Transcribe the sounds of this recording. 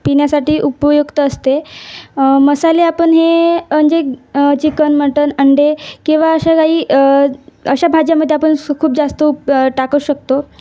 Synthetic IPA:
piɳjasaʈiːʔupəjukt̪əːst̪e | məsaleapəɳɦeəɳd͡ʑet͡ɕikənməʈənəɳɖekĩw̃ʋaəɕakaɦiː | əɕabʱad͡ʑjaməd̪ʱjeapəɳkʰuːp̚d͡zast̪əʈakəuɕəkt̪o

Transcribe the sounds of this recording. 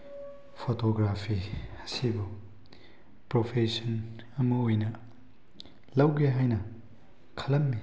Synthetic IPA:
pʰotoɡɾapʰihɐ̥sibɐ | pɾopʰesɐn | ɐmɐojnɐ | lɐwɡeɦajnɐ | kʰɐlɐmːi

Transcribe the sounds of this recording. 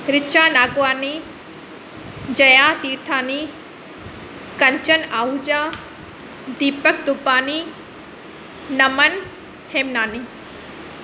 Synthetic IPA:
ɾɪt͡ʃʰaːnaːɡʊʋaːni | d͡ʑɐjãːt̪iːɾt̪ʰaːni | kɐɲt͡ʃənaːɦud͡ʑaː | d̪iːpək̚d̪ʊpaːni | nɐmɐn | heːmnaːniː

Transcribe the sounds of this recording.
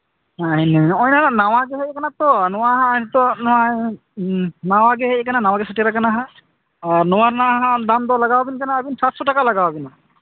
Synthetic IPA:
aɦineɔjnaanawaɡeɦejkanat̪ɔnɔwaɦãnt̪ɔnɔwa | nawaɡeɦekananawaɡɛsaʈiɾakanaɦã | aɾnɔwaɾnaɦãd̪amd̪ɔlaɡawabinkanaːbinsasɔʈakalaɡawabina

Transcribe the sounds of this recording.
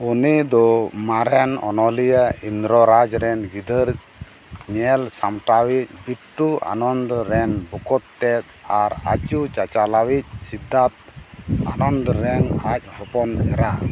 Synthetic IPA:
unid̪ɔmaɾɛnɔ̰nɔlijaind̪ɾɔɾad͡ʒɾɛnɡid̪əɾ | ɲɛlsamʈawic̚ˀbiʈːuʔa̰nɔnd̪ɔɾɛnbɔkɔt̪ːɛt̪̚aɾa̰t͡ʃut͡ʃat͡ʃalawic̚sid̪ːat̪̚a̰nɔnd̪ɔɾɛŋac̚ˀhɔpɔnɛɾa

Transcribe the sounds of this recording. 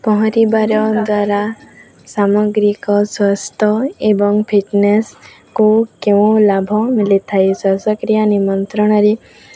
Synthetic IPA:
pɔɦɔ̃ɾibaɾjɔd̪waɾa | samɔɡɾikɔswɔst̪ʰɔebɔŋɡpʰiʈnes | kukeʋũlabʱɔmilit̪ʰajsəsəkɾijanimɔnt̪ɾɔɽ̃ɔɾi

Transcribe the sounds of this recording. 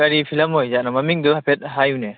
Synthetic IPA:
aɾipʰilamɔjd͡ʒaʔnamamiŋd̪ɔhapʰɛt̪̚ɦajunɛ

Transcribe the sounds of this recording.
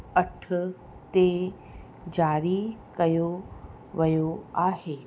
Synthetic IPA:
ɐʈʰ | t̪e | d͡ʑaːɾikɐjo | ʋɐjoaːɦeː

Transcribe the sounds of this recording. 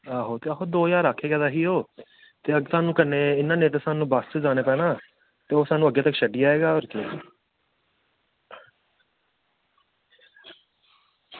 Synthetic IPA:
aːɦoːt̪eːəɦoːd̪oːjaːɾaːkʰːeːɡɛːd̪aːɦiːɦoː | t̪eːəɡt̪aːnũːkəɾneːɪnːaːneːt̪esaːnũːbast̪ːd͡ʒaːneːpɛːnaː | t̪eːoːsaːnũəɡːeːt̪əkʃəɖiːaːeːɡaːɔɾke

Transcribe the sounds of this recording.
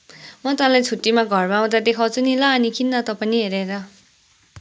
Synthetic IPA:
mʌt̪ãlajt͡sʰuʈːimaɡʱʌrbaw̃t̪ad̪ekʰawt͡sunilaːnikʰinːʌt̪ʌpʌniɦeɾeɾʌ

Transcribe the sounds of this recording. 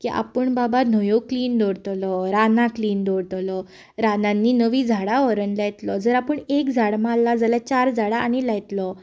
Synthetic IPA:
kiʔa̰pəɳbaban̤əjokliːnd̪oɾt̪lɔɾanãkliːnd̪oɽt̪lɔ | ɾanãnːiːnəʋiːd͡zʱaɽaɔɾənlajt̪lɔd͡zəɾapəɳekd͡zʱaɽmalːad͡zalat͡ɕaɾd͡zʱaɽaʔːñilajt̪lɔ

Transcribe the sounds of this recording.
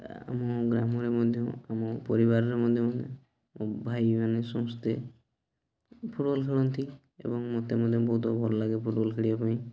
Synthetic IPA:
a̰mɔɡɾamɔɾemɔd̪ʱjɔamɔpɔɾiβaɾɔɾemɔd̪ʱjɔmɔd̪ʱjɔ | mbʱajmanesɔmɔst̪e | pʰuʈbɔlkʰeɭɔnt̪i | ḛbɔŋmot̪emɔd̪ʱjɔbɔɦut̪ɔbʱɔɾɔlaɡepʰuʈbɔlkʰeɽibapaĩ

